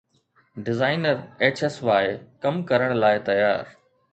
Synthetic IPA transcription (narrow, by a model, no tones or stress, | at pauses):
ɖɪzaːɪnəɾeːt͡ɕesʋaːɪkɐmkɐɾəɽ̃laːɪt̪ɐjaːɾ